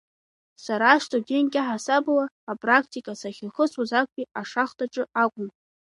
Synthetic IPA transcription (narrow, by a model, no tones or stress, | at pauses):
saɾaʂtʰʼoɡʲenkʲʼaħasablaːpʼrakʰtʰʼikʼasaχʲɪlχəsʰuzak̚ʷʼpʼiaʂaχtʰʼaʈ͡ʂʼɨakʷʼʊm